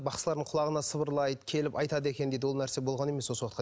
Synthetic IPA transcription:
bɑqsəlˠɑɾd̪əɴqʰʊlˠɑʁənɑsəbəɾlˠɑjd̪əkʲʰe̞lɪpɑjt̪ɑd̪əe̞kʲe̞nɪd̪ejd̪ɪwolˠnæɾse̞bolˠʁɑne̞meswosot̪qɑ

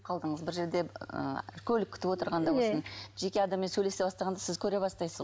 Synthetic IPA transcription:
qʰɑlˠd̪əɴəzbɪɾʒe̞ɾd̪e̞ə̰kʲʰɵlɪkʲʰːɪ̥t̪ɪpwo̞t̪əɾʁɑnd̪ɑwosənʒe̞kʲe̞ɑd̪ɑmːe̞nsɵjle̞se̞bɑst̪ɑʁɑnd̪ɑsɪzkʲʰɵɾe̞bɑst̪ɑjsəz

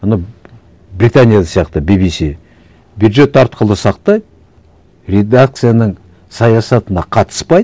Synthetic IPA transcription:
mənɑw | brʲit̪anʲijad̪ɑsijɑqt̪əbibisi | bjud̪ʒe̞t̪ːɑɾt̪̚qəlˠəsɑqt̪ɑjd̪ | rʲe̞d̪ak̚t̪sɨjanəɴ | sɑjɑsɑt̪ənɑqʰɑt̪ə̥spɑj̪

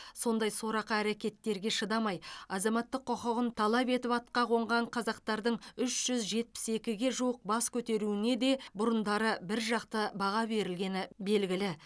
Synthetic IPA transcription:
so̞nd̪ɑjso̞ɾɑqəæɾekʲe̞t̪ːe̞ɾɡʲe̞ʃəd̪ɑmɑjɑzɑmɑt̪ːəqʰːʊqəʁənt̪ʰɑlˠɑpe̞t̪ɪpɑt̪̚qɑʁo̞ɴʁɑɴqʰɑzɑq̚t̪ɑɾd̪əɴʏʃʒ̥ʏzʒe̞t̪̚pɪ̥se̞kʲɪɡʲe̞ʒuwəq̚bɑskʲʰɵt̪e̞ɾuɪne̞d̪e̞bʊɾənd̪ɑɾəbɪɾʒɑqt̪əbɑʁɑbe̞ɾɪlɡʲe̞nɪbe̞lɡʲɪlɪ

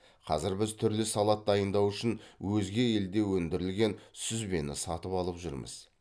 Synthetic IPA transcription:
qʰɑ̰zɪɾbɪzt̪ʰʏɾlɪsɑlˠɑt̪̚d̪ɑjənd̪ɑwʏʃɪnwɵzɡʲe̞e̞ld̪e̞wɵnd̪ɪɾɪlɡʲe̞nsʏzbe̞nɪ̰sɑt̪əpɑlˠəpʒʏ̰ɾmə̰z̥

